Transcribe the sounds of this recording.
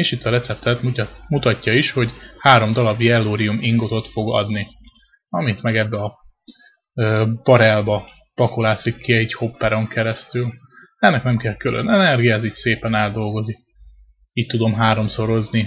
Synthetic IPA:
eʃit̪ːɒɾɛt̪sɛp̚t̪ɛt̪mumut̪ɒcːɒiʃho̞ɟhaːɾo̞md̪ɒlɒbjɛlːoːɾijumiŋɡot̪o̞t̪fo̞ɡɒ̰d̪ni | ɒmit̪mɛɡɛbːɛɒ | øːpɒɾɛlbɒ | pɒkolaːsikːiɛɟho̞pːɛɾo̞ŋkɛɾɛst̪yl | ɛnːɛknɛmkɛlkylʔø̰nɛnɛrɡijɒɛziːɟseːpɛnɛld̪o̞lɡozik | iːc̚t̪ud̪o̞mɦaːɾo̞mso̞ɾo̞zni

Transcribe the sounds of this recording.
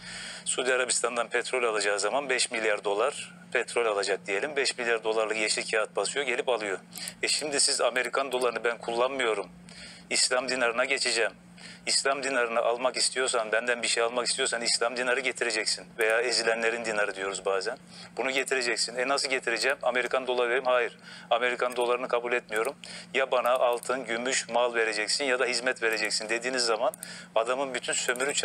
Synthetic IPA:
sud̪iaɾabist̪ʰand̪anpʰɛt̪ʰɾo̞lʲalˠad͡ʒaːɯzamanbɛʃmilʲjaɾd̪o̞lˠaɾ̥ | pʰɛt̪ʰɾo̞lʲalˠad͡ʒak̚d̪ije̞lʲimbɛʃmilʲjaɾd̪o̞lˠaɾlˠɯkjeʃicʰaat̪̚basɯjo̞ɟe̞lʲipalˠɯjo̞ɛʃimd̪isizame̞ɾikʰand̪o̞lˠaɾɯnɯbænkʰulˠːanmɯjo̞ɾum | islʲamd̪inaɾɯnaɟe̞t͡ʃʰed͡ʒɛːm | islʲamd̪inaɾɯnɯʔalˠmakist̪ʰijo̞ɾsanbænd̪ænbiɾʃejalˠmakist̪ijo̞ɾsanislʲamd̪inaɾɯɟe̞t̪ʰiɾe̞d͡ʒɛcsinve̞jaːezilʲænlʲe̞ɾind̪inaɾɯd̪ijo̞ɾuzbaːzæn | bunuɟe̞t̪ʰiɾe̞d͡ʒɛcsinɛnasɯlˠɟe̞t̪ʰiɾed͡ʒɛmame̞ɾikʰand̪o̞lˠaveɾimhaːjiɾame̞ɾikʰand̪o̞lˠaɾɯnɯkʰabulʲɛt̪mijo̞ɾumjabanaʔːlˠt̪ʰɯnɟymyʃmalˠve̞ɾe̞d͡ʒɛcsinjad̪aɦizmɛt̪ve̞ɾe̞d͡ʒɛcsind̪e̞d̪iːnizːamanad̪amɯnbyt̪ʰynsø̞myɾyt͡ʃʰ

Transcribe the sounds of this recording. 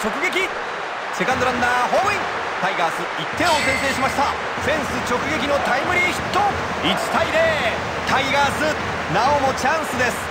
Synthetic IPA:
t͡ɕo̞kɯ̟ɡe̞kʲi | se̞kãnd̪oɾãnːaːɦoĩ | t̪aiɡaːsɨit̪ʰːẽ̞osẽ̞nt̪̬eːɕimaɕi̥t̪a | ɸẽ̞ɰ̃sɨt͡ɕo̞kɯ̟ɡe̞k̬ʲinot̪aimɯ̟ɾʲiçi̥t̪ːo | it͡ɕi̥t̪aiɾeː | t̪aiɡaːsɨ | naomo̞t͡ɕãɰ̃sɨd̪e̞sɨ̥

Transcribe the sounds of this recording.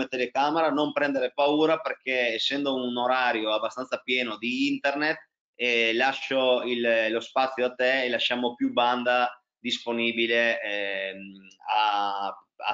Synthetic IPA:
et̪elekameɾanompɾɛnd̪eɾepauːɾaperk̟eesːɛnd̪ounoɾaːɾjoabːast̪ant̪sapjɛːnod̪iint̪ernet̪ | ɛlaʃoillospat̪sjoat̪ːeːlaʃamopjuband̪a | d̪isponiːbile | a | a̰

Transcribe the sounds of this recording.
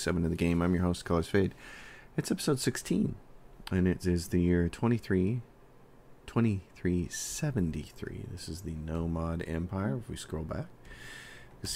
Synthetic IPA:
sɛvɨ̃nʌvðɨɡẽɪ̃mãɪ̃mjə˞hoʊstkʰɑlˠɨz̥feɪdɨtsɛpəsoʊd̥sɪkstʰĩnɨ̃nɪɾɪzðɨjɪɹtʰw̥ɛ̃ɾ̃iθɹi | tʰw̥ɛ̃ɾ̃iθɹisɛvɨ̃n̩tḭθɹḭðɪ̰sɨzðɨnoʊmɑɾɛ̰̃mpʰaɪə˞ɨfwiskɹoʊlˠbæ̰k̚ | ðɪs

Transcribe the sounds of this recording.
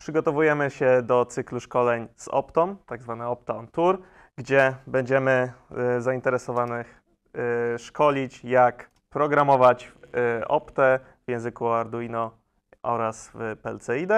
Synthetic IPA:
pʂɘɡɔt̪ɔvujɛmɘɕɛd̪ɔt̪sɘkluʂkɔlɛɲzɔ̰pt̪ɔmt̪aɡzvanɛɔp̚t̪ɛɔnt̪uɾ | ɡd͡ʑɛbɛɲd͡ʑɛmɘzaint̪ɛɾɛsɔvanɘx | ʂkɔlʲit͡ɕjak | pɾɔɡɾamɔvat͡ɕʔɔ̰pt̪ɛ | vjɛ̃w̃zɘkuaɾd̪uinɔ | ʔɔ̰ɾaspɛ̰lt̪sɛid̪ɛ

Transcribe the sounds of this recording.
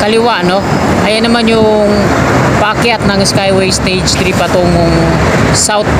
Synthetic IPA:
kɐlɪwaʔno | ʔɐjanɐmanjʊ | ŋ | pakɪʔat̪̚nɐŋskajwɛjst̪ejd͡ʒt̪ɾipɐt̪oŋŋ | sawt̪̚

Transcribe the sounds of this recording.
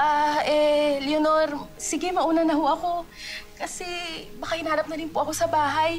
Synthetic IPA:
ʔaʔɛljonoɾsɪɡɛmɐʔuːnɐnɐɦoʔɐko̞kɐsɛbɐkɐhɪnaːɾɐp̚nɐɾɪnpʊʔɐko̞sɐbaːɦɐj

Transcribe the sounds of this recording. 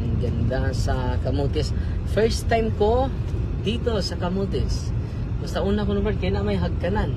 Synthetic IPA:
ɡɐnd̪asɐkɐmut̪ɪsfɛɹst̪ːajmkod̪iːt̪osɐkamut̪ɪs | bɐst̪aʔuːnakonʊmɛɹ̚kajnamajɦaɡ̚kɐnan

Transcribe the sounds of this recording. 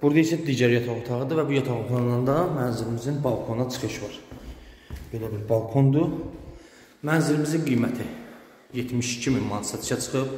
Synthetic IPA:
b̥uɾd̪ɑisæd̪iːɟæɾjɑt̪ʰɑʁut̪ʰɑʁɯd̪ɯvæbujɑt̪ʰɑup̪ʰɑnnɑnd̪ɑmænziɾimizinbɑlˠkʰo̞nɑt͡ʃʰɯ̥χɯʃvɑɾ | b̥e̞læbiɾbɑlˠkʰo̞nd̪u | mænziɾimizinɡijmæt̪ʰi | je̞t̪ʰmiʃi̥cʰimimmɑnsɑt̪ʰt͡ʃʰɑt͡ʃʰɯ̥χɯp

